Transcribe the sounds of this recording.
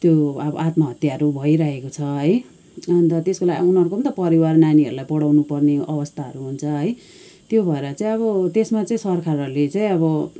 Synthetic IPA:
t̪joʌbʌ̰ʔat̪mʌɦʌt̪jaʌɾubʱʌiɾaɦekot͡sʰʌɦʌj | ʌnt̪ʌt̪eskolaɡunɦʌɾukobʌnt̪ʌpʌɾiwarnaniʌɾulajpʌɽawnupʌrneʌbʌst̪ʰaɦʌ̰ɾuɦunt͡sʰʌɦʌj | t̪jobʱʌeɾʌt͡saĩʌβʌt̪esmat͡saĩsʌrkʰarʌɾulet͡saĩʌβʌ

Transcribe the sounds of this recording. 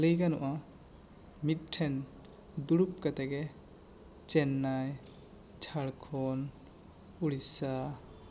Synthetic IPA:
ləjɡanuʔa | mit̪̚ʈʰɛn | d̪uɽup̚kat̪ɛɡɛ | t͡ʃɛnːaj | t͡ʃʰaɽkʰɔn | uɽisa

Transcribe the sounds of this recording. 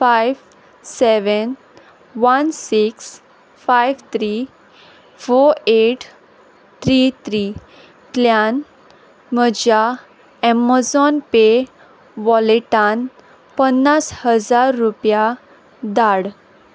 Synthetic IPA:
fajʋ | sɛʋən | ʋənsiks | fajʋt̪ʰɾi | foɾeʈ | t̪ʰɾit̪ʰɾi | kljan | məd͡ʑa | ɛməd͡zɔnpe | ʋɔliʈan | pənːashəd͡zaɾːupja | d̪aɽ

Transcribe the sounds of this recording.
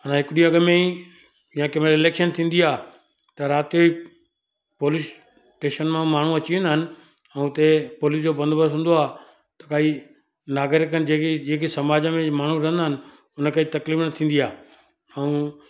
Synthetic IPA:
ənãɦɪkɪɗĩɐɡmẽi | jãkɐmɾɪleːkʃənt̪ʰĩːn̆d̪iaː | t̪ɐɾaːt̪ioi | poːlis | ʈeːʃənmãmaːɳ̤ũɐt͡ɕiʋ̃nd̪aɦɪnɪ̆ | ɛ̃ũʊt̪epoːliːsd͡ʑoːbɐ̃nd̪bəɦũːn̆d̪oaː | t̪ɐkai | naːɡɪɾɪk̬ənɪd͡ʑekd͡ʑeːkisɐmaːd͡ʑəmẽmaːɳ̤ũɾɐ̃ɦə̃nd̪aɦɪnɪ̆ | ʊnəkəit̪ɐkliːfnɐt̪ʰĩːn̆d̪iaː | ɛ̃ũ

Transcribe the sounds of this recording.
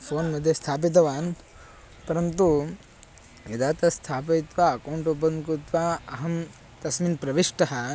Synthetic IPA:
pʰoːnmɐd̪ʱjɐst̪ʰaːp̬it̪̬ɐʋaːn | pɐɾɐnt̪u | ʋid̪ʱaːt̪ɐst̪ʰaːp̬ɐit̪ʋaːkɐwɳʈubɐŋkɾut̪ʋaːɐɦɐm | t̪ɐsminpɾɐʋiʂʈɐɦɐ

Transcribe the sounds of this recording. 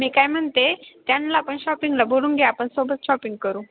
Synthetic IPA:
miːkajm̤əɳt̪et̪janlaːpəɳɕɔpiŋɡlabʱoluːnɡʱejaːpəɳsobət̪ɕɔpiŋɡ̚kəɾuː

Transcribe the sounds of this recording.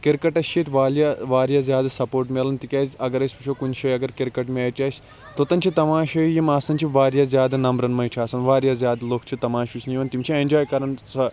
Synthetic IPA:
kiɾkɐʈɐʃt͡ʃiːt̪ʋaːljaʋaːɾjaːzjaːd̪ɐsɐpoːɾʈmeɐlɐnt̪ikʲaːzʲɐɡɐɾɐsʲpɐt͡ʃʰoːkunʃɐjɐɡɐɾkiɾkɐʈmeɐːt͡ʃʲaːsʲ | t̪ot̪ɐnt͡ʃʰit̪ɐmãːʃɐjimaːsɐnʲt͡ʃʰiʋaːɾjaːzʲjaːd̪ɐnɐmbɾɐnmɐjiʈʰaːsɐnʋaːɾjaːzʲjaːd̪loːkʰt͡ʃʰit̪ɐmãːʃut͡ʃʰʲnijʋɐnt̪imt͡ʃʰiend͡ʒoːjkɐɾɐnsɐ

